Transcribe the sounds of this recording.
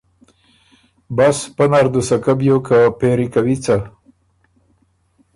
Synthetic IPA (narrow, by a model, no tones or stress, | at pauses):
baspanaɾd̪usakabjokapeɾikawit͡sa